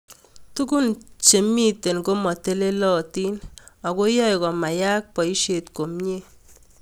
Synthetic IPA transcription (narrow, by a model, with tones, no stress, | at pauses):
tu˦ku˦nt͡ʃe˨mi˦te˨nɡo˦mɔ˨te˦le˦lɔ˦ti˦na˨ko˦jɔ˦jkɔ˨ma˨ja˦k̚pɔ˨i˦ʃe˨tko˨mɲe˦